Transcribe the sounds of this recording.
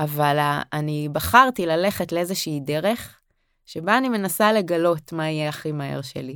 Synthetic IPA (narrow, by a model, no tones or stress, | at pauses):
avalaanibaχaʁtilale̞χe̞tleezeʃiːde̞ʁe̞χ | ʃe̞baːnime̞nasale̞ɡalo̞tmaijɛaχimaḛʁʃḛli